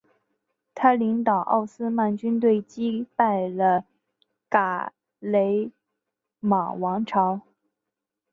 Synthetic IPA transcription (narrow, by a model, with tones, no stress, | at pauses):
t̪ʰa˥li˧˥ŋt̪ɑ˨˩ʊʔɑ̰˥˩ʊsɹ̩˥ma˥˩nt͡ɕy˥nt̪̬we˥˩ɪt͡ɕi˥pa˥˩ɪlə˨˩ | ka˨˩˦ | le˧˥ɪ | ma˨˩wɑ˧˥ŋʈ͡ʂʰɑ˧˥ʊ